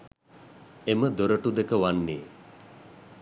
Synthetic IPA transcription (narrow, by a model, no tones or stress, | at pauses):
eməd̪oɾəʈud̪ekəʋanːeː